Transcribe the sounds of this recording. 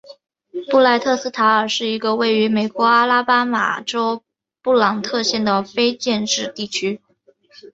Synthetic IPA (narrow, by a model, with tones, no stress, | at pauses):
pu˥˧la˥˧ɪt̪ʰɤ˥˧sɹ̩˥t̪ʰa˧˥ə˞˨˩ʂɻ̩˥˩i˧˥ɡə˧we˥˩ɪy˧˥me˨˩ɪkwɔ˧˥a˥la˥pa˥ma̰˨˩ʈ͡ʂo˥ʊ | pu˥˩lɑ˨˩ŋt̪ʰɤ˥˧ɕjɛ˥˩nd̪ə˩fe˥ɪt͡ɕjɛ˥˧nʈ͡ʂɻ̩˥˧t̪i˥˩t͡ɕʰy˥